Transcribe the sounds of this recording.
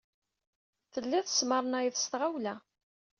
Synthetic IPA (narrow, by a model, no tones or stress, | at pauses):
θəlːæθə̥sməɾˤnæjiθst̪ʁawlæ